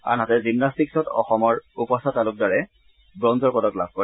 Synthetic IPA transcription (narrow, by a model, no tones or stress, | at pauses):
a̰nɦatɛzimnastiksɔtɔ̰xɔmɔɹupɔsatalʊk̚daɹɛ | bɹɔnzɔɹpɔdɔklab̥̚ʱkɔɹɛ